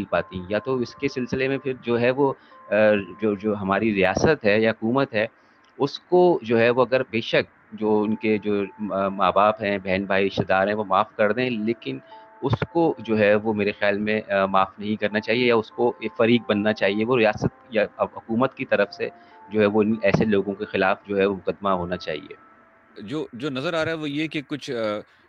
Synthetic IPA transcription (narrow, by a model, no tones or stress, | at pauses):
ipaːt̪iɦĩjat̪oɪskesɪlsɪlemẽpʰɪɾd͡ʒoːɦɛʋo | d͡ʒoːd͡ʒoːɦɐmaːɾiɾijaːsət̪ɦɛjaɦʊkuːmət̪ɦɛː | ʊskod͡ʒoːɦɛʋoɐɡəɾbeːʃək̚ | d͡ʒoːʊnked͡ʒoːmaːbaːpɦɛ̃bɛɦnbʱaːiɪʃt̪ɪd̪aːɾɦɛ̃ʋomaːfkɐɾd̪ẽɛ̃leːkɪn | ʊskod͡ʒoːɦɛʋomeːɾexjaːlmẽmaːfnɐɦĩkɐɾnat͡ʃaːɦiejaʊskofɐɾiːk̚bɐnːat͡ʃaːɦieʋoɾijaːsət̪̚jaɦʊkuːmət̪kit̪ɐɾəfsḛ | d͡ʒoːɦɛʋoɪnɛːseloːɡõkexɪlaːfd͡ʒoːɦɛʋomʊkəd̪ːmaɦoːnat͡ʃa̰ːɦḭḛː | d͡ʒoːd͡ʒoːnɐzəɾaːɾaːɦɛʋojekekʊt͡ʃʰ